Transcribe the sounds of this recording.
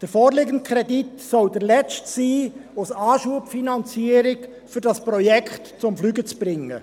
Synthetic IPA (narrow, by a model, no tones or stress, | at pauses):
d̥əɾfɔːɾlɪɡənt̚kʰχɾɛditsɔwd̥əɾlɛt͡stsiːosɑːʃuəpfinɑnt͡siəɾɪk | fʏɾdɑspɾɔjɛkχtt͡sʊmflyːɡət͡sb̥ɾɪŋːə̰